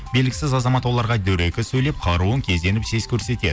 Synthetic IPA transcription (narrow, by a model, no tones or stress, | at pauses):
be̞lɡʲɪsɪzɑzɑmɑt̪wo̞lˠɑɾʁɑd̪ɵwɾe̞kʲɪsɵjlep̚qʰɑɾuəŋkʲʰe̞zd̪e̞nɪpse̞z̥kʲʰɵɾse̞t̪e̞̰